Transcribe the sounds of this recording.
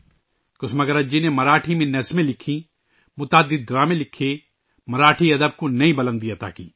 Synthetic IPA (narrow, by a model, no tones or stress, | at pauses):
kʊsmɐɡɐɾɐd͡ʒinemɐɾaːʈʰimɪ̃nːɐsmẽlɪkʰːĩː | mʊt̪aːd̪ɪd̪̚ːɾaːmẽlɪkʰːe | mɐɾaːʈʰiɐd̪əb̚konɐĩbɐlə̃nd̪ijat̪a̰ːkḭː